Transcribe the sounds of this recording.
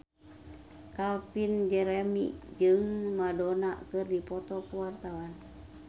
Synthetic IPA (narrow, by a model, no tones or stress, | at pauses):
kalpind͡ʒɛɾɛmḭʔd͡ʒɨŋmadonaʔkɨrdipɔt̪ɔkuwart̪awan